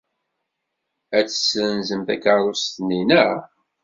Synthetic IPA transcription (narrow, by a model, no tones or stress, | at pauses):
æt͡sːə̥sənzəmt̪ækəɾɾˤost̪nːinæ